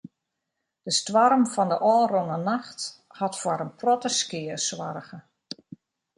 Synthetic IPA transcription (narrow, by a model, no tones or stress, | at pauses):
d̥əstʋarmfɔndəʔɔːronənaxt | hɑtfwaɾənprɔtəskɪəswarɣə